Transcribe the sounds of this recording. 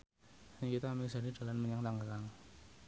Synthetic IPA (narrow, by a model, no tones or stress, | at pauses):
aɲkit̪amisadid̥alanməɲaŋt̪aŋɡalaŋ